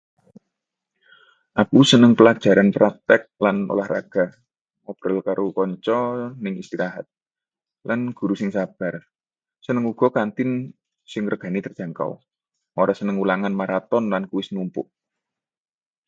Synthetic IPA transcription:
ʔapusənəŋpəlḁʒ̥a̤ɾanpɾak̚t̪ɛk̚lano̰lahra̰ɡ̥a̤ | ɔb̥ɾəlkaɾʔokɔɲt͡ʃɔnɪŋist̪iɾaɦat̪̚ | lanɡ̥ṳɾusɪŋsab̥a̤r | sənəŋuɡ̥ɔ̤kant̪ɪn | sɪŋrəɡ̥a̤nit̪ərdʒ̥a̤ŋka̰w | ʔoɾɔsənəŋulaŋanmaɾat̪ɔnlankuwɪsnumpʊʔ

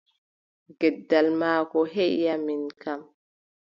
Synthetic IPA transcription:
ɡɛdːalmaːkɔɦɛʔjaminkam

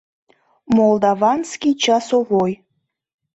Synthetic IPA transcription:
molˠd̪ɑvɑnskʲit͡ɕɑsovoj

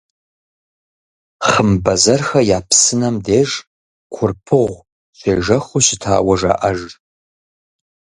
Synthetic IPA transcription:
χəmbɐzɐrxɐjaːpʰsɨnɐmdeːʒ | kʷʰʊrpʰɨʁʷ | ʃʷḛːʒɐχʷʊɕɪtʰa̰ːwɐʒa̰ːʔɐʒ

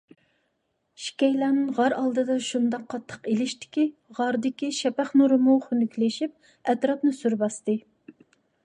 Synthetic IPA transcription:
ʃi̥kʲɛjlænɨŋʁɑɾʔɑlˠd̪ɨd̪ɑʃund̪ɑqʰːɑt̪ʰːə̥qelɪʃt̪ɪ̥kʲiʁɑɾd̪ɪkʲiʃɛpæχnuɾɨmuχynykʲlɪʃip̚ | ɛt̪ɾɑpnɨsyɾbɑst̪ɨ

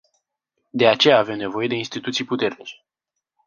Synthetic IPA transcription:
d̪e̞at͡ʃe̞jaːve̞mne̞vo̞je̞d̪e̞inst̪it̪ut̪sijput̪e̞rnit͡ʃe̥

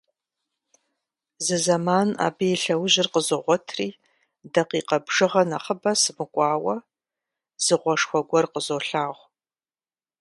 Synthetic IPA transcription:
zɨzɐmaːna̰ːbɨjɛɬɐwʑɪrqəzoʁʷɔtʰriː | dɐqiːqɐbʐɨʁɐnɐχəbɐsɨmɨkʷʼɑːwɐ | z̥ɨʁʷɔʂxʷɔɡʷɔrqəzoːɬaːʁʷ

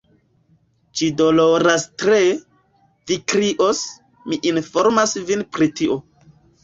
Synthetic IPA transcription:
d͡ʒidoloɾastɾe | vikɾiʔos | miʔinfoɾmasvinpɾitiʔo

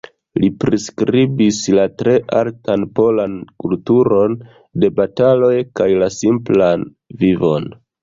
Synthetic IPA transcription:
lipɾiskɾibislatɾe̞ʔaltanpo̞lankultuɾo̞n | de̞batalo̞jkajlasimplan | vivo̰n

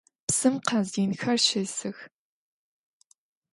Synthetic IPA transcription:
psɨmqɐziːnxɐrʃɪsɨx

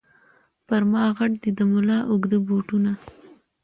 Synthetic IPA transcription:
paɾmɑɣaʈd̪id̪əmʊlɑʔʊɡd̪əboʈuna

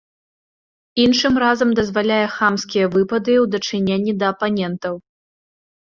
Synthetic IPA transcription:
inʂɨmrazɐmd̪ɐzvalʲajɛxamskʲijɐvɨpɐd̪ɨwd̪ɐt͡ʂɨnʲenʲːid̪ɐːpanʲɛnt̪ɐw

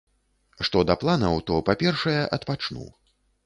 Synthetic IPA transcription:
ʂt̪ɔd̪ɐplˠanɐwt̪ɔpapʲɛrʂɐjɛʔɐt̪pat͡ʂnṵ

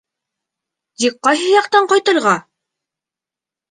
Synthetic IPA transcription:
zik̚qːɑjɦɤjɑqt̪ɑɴqɑjt̪ɤ̆lˠʁɑ

